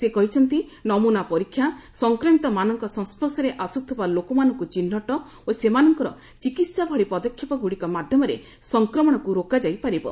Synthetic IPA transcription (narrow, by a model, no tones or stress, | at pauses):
sekɔɦit͡ʃʰɔnt̪inɔmunapɔɾikʰːjasɔŋkɾemit̪ɔmanɔŋkɔsɔ̃ŋspɔsɔɾeʔasut̪ʰɔbalokɔmanɔŋkut͡ʃinːɔʈɔ | osemanɔŋkɔɾɔ̰ | t͡ʃikit̪sabʱɔɽipɔd̪ɔkʰːjipɔɡuɽikɔmad̪ʱjɔmɔɾḛ | sɔŋkɾɔmɔɽ̃ɔkuɾokad͡ʒajpaɾibɔ̰